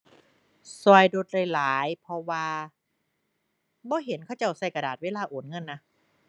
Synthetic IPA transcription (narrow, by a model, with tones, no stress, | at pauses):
sɔː˧jdo˧t̪̚ɾaː˧˩jlaː˨˩˦jpʰɔ˧waː˧ | bɔː˧˦ɦe˨˦nkʰa˧˩wt͡ɕa˧˩wsa˧˩jka˧daː˨t̪̚weː˧˥˨laː˧˩ʔoː˨˩˦nŋɤ˧˥˨nːa˦˥